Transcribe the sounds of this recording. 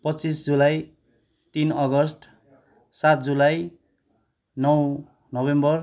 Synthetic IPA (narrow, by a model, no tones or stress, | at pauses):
pʌtt͡sisd͡zulaj | t̪inʌɡʌsʈ | sat̪̚d͡zulaj | nʌw | nʌbembʌr